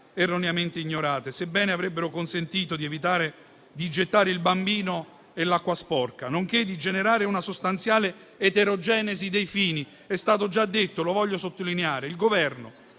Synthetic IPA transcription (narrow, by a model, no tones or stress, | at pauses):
ɛrːonjament̪eiɲːoɾaːt̪esebːɛːneavɾɛbːeɾʊkonsent̪iːt̪od̪iɛvit̪aːɾe | d̪id͡ʒet̪ːaːɾeilbambiːno | elakːwaspɔrkanoŋk̟ed̪ːid͡ʒeneɾaːɾeunasost̪ant̪sjaːleː | t̪eɾod͡ʒɛːnezid̪ejfiːni | ɛst̪aːt̪̬od͡ʒad̪ːet̪ːolovɔʎːosot̪ːolineaːɾeilɡovɛrno